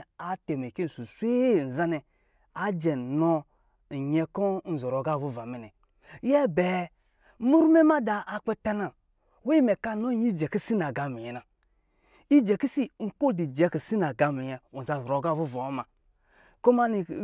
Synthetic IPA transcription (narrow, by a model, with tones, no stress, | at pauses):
a˨te˨me˨ke˦˨su˨sʷe˦˨n̩˨za˦nɛ˨ | a˨d͡ʒɛ˨nɔ˦˨ | ɲɛ˦kɔ˦n̩˨zɔ˨ɾo˨ɡa˦˨vu˦˨va˨mɛ˨nɛ˨ | jɛ˦bɛ˨˦ | mu˦ɾme˦ma˦daː˨k͡pɛ˦ta˦na˨ | we˦mɛ˨ka˦no˦i˦d͡ʒɛ˨ki˦si˦na˨ɡa˨mi˨jɛ˨na˨ | i˦d͡ʒɛ˨ki˦si˦ŋ̩˨ko˦di˨d͡ʒɛ˨˦ki˨si˦na˨ɡa˨mi˨ɲɛ˨o˨za˨zɔ˨ɾo˨ɡa˦˨vu˦˨va˨o˦ma˨ | ko˦ma˦ni˨